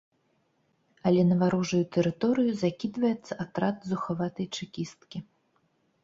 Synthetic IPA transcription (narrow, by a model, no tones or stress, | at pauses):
ɐlʲɛnɐvaɾuʐɐjut̪ɛɾɨt̪ɔɾɨjuzakʲid̪vɐjɛt̪sːɐat̪ɾat̪zuxavat̪ɐjt͡ʂɨkʲist̪kʲi